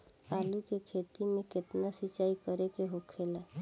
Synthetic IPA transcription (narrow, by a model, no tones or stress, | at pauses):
alukekʰet̪imeket̪nasit͡ʃaikəɾekeɦokʰela